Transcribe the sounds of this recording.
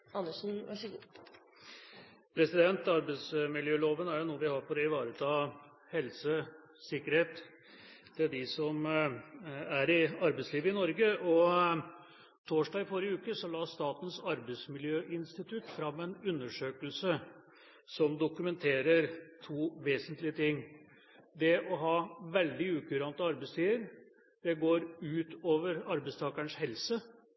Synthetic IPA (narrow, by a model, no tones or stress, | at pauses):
ɑnːəʂn̩ | pʰɾɛsɪd̪ɛnt̪ɑɾbɛɪt̪smɪljøːloːʋənæɾjʊnuːəʋɪhɑɾfɔɾɔɪʋɑːɾət̪ʰɑː | hɛlsə | sɪkːəɾheːt̪ | d̪̥ɪd̪ɪsɔm | æɾɪɑɾbɛɪsliːʋəɪnɔɾɡəɔ | t̪ʰoːʂɖɑːɡfɔɾɪəʉːkəsɔlɑːst̪ɑːt̪n̩sɑɾbəɪsmɪljøːʔɪnst̪ɪt̪ʰʉt̪ːfɾɑmːɛnʉnːəʂøːkəlsə | sɔmd̪ʊkʉmɛnt̪ʰeːɾəɾt̪ʰuːʋeːsənt̪lɪət̪ɪŋː | d̪ɛʔɔɦɑːʋɛld̪ɪʉːkʉɾɑnt̪əɑɾbɛɪst̪ʰiːəɾ | d̪̥ɛɡoːɾʉːt̪oːʋəɾɑɾbɛɪst̪ʰɑːkəɳshɛlsə